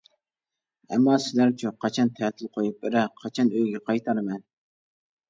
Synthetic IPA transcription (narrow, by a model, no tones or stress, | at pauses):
ɛ̰mːɑsɪlæɾt͡ʃʰyqʰɑt͡ʃʰɑnt̪ʰɛːt̪ʰɪlˠqʰojup̚bɪɾɛqʰɑt͡ʃʰɑnøjɡʲɛqʰɑjt̪ʰɑɾɨmɛn